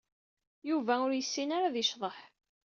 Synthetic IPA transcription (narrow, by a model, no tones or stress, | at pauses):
juvæʊɾjəsːinaɾaðiʃðˤəħ